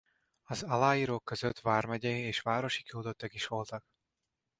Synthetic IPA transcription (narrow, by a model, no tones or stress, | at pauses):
ɒzɒlaːjiːɾoːkːøzøt̪vaːrmɛɟɛeːʃʋaːɾo̞ʃi̥kiod̪ot̪ːɒkiʃʋo̞lt̪ɒk̚